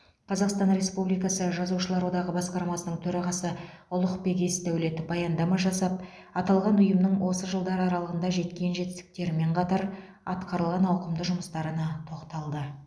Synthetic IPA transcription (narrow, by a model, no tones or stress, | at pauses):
qʰɑzɑqst̪ɑnɾe̞spublijkɑsəʒɑzuʃəlˠɑɾwo̞d̪ɑʁəbɑsqɑɾmɑsənəɴt̪ʰɵɾɑʁɑsəʊlˠəqpe̞ɡʲe̞st̪ʰæwɪle̞t̪ɪbɑjɑnd̪ɑmɑʒɑsɑp̚ | ɑt̪ɑlˠʁɑnʊjəmnəɴwʔo̞səʒəlˠd̪ɑɾɑɾɑlˠəʁənd̪ɑʒe̞t̪kʲe̞nʒe̞t̪ɪ̥st̪ɪ̥k̚t̪e̞ɾɪme̞ɴqʰɑt̪ɑɾ | ɑt̪qɑɾəlˠʁɑnɑwqəmd̪əʒʊməst̪ɑɾənɑt̪ʰo̞qt̪ɑlˠd̪ə